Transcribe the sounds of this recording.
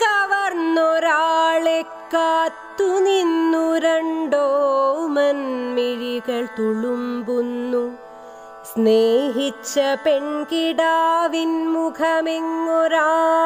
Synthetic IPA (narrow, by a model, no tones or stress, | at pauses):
kɐʋɐɾnːoɾaːɭekːaːt̪ːuninːuɾɐɳɖoːmɐnmiɻiɡɐɭt̪uɭumbunːu | sneːɦit͡ʃːɐpeɳkiɖaːʋinmukʰɐmeŋːoɾaː